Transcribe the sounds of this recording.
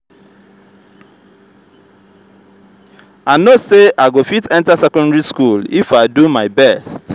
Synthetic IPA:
anoseaɪɡofitɛ̃ntasɛkɔ̃ndaɹiskulifaɪdumaɪbɛst

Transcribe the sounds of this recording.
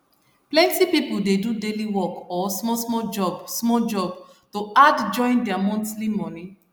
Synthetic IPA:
plɛ̃ntipipuldedudeliwɔkɔsmɔsmɔd͡ʒɔbsmɔd͡ʒɔb | toadd͡ʒɔ̃ɪ̃ndɛamɔ̃ntlimɔ̃ni

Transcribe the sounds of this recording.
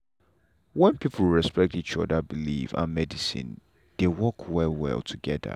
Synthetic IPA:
wɛ̃npʰipʰl̩ˠɹɛspɛk̚tit͡ʃɔdəbilḭvã̰nmɛdisḭ̃n | d̥ewɔkʰwɛlwɛ̰lˠtʰuɡɛdə̰

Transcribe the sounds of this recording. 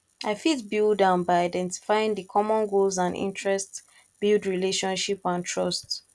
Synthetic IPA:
aɪfitbilˠdãʊ̃nbaɪaɪdɛ̃nti̥faɪjĩŋdikʰɔmɔ̃nɡolzãnḭ̃ntɹɛst | b̥ilˠdɹileʃɔ̃nʃipãntʰɹɔst

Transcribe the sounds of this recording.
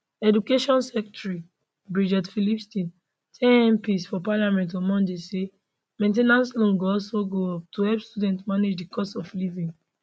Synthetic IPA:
ɛdukeʃɔ̃nsɛk̚tɹi | bɹid͡ʒɛtfilipstĩn | tʰɛ̃ɛ̃mpisfɔpalamɛ̃nt̬ɔmɔ̃ndese | mẽnt̬enãnslõnɡoɔsoɡoɔp̚tʰuhɛpstudɛ̃ntmaned͡ʒdikʰɔsɔflivĩŋ

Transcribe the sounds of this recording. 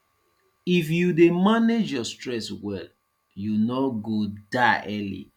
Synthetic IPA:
ifjudemaned͡ʒjɔstɹɛswɛl | junɔɡodaʔɛlḭ

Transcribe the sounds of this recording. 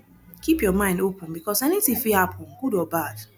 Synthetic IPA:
kipjɔmãɪ̃ndopə̃nbikɔsɛnitĩfihapʰɔ̃nɡudɔbad̥

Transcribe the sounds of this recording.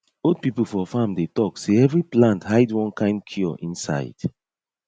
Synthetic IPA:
od̚pipəl̩ˠfɔfamdetɔkseɛvɹiplãnthaɪdwɔ̃nkʰãɪ̃mkʰjɔʔĩnsa̰ɪd̥

